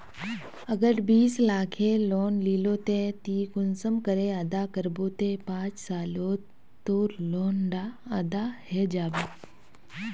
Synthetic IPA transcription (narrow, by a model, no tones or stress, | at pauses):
əɡəɾbiːslaːkʰẽloːnliːloːt̪et̪iːkʊnsəmkəɾeəd̪akəɾboːt̪ẽːpãːt͡ʃsaːloː | t̪oːɾloːnɖaːəd̪ahɛːd͡ʒaːbeː